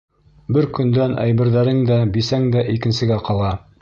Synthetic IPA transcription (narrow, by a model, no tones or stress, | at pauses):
bɘɾkɵ̆nd̪ænʔæ̰jβɘ̆ɾðæɾɘŋd̪æbisæŋd̪æʔikɘ̆nsɘ̆ɡæqɑlˠɑ